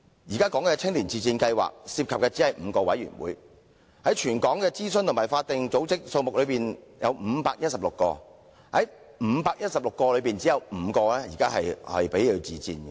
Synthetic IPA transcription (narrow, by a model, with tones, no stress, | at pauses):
jiː˨˩kaː˥kɔː˨˥ŋkɛː˧t͡sʰɪ˥ŋliː˨˩nt͡siː˨˩t͡siː˧nkɐ˧jwa̰ː˨k̚siː˧p̚kʰɐ˨kɛː˧t͡si˨˥hɐ˨jm̩ː˨˧kɔː˧wɐ̰˨˥jy̰˨˩nwṵː˨˥j | hɐ˨˥jt͡ʃʰyː˨˩nkɔː˨˥ŋkɛː˧t͡siː˥sɵ˧nt̪ʰmaː˨˩jfaː˧t̚t̪ɪ˨ŋt͡so˨˥wt͡sɪ˥k̚so˧wmʊ˨k̚lɵ˨˧ɥpiː˨njɐ̰˨˧wm̩ː˨˧paː˧k̚jɐt̚sɐ˨p̚lʊ˨kːɔ̰ː˧ | hɐ˨˦j | m̩˨˧paː˧k̚jɐ˥t̚sɐ˨p̚lʊ˨kːɔː˧lɵ˨˧ɥpiː˨nt͡siː˨˥jɐ˨˧wm̩˨˧kɔː˧lɛː˥jḭ˨˩kaː˥hɐ˨jhɐ̰˨jpe˨˥jli˨˧wt͡siː˨t͡sḭː˧n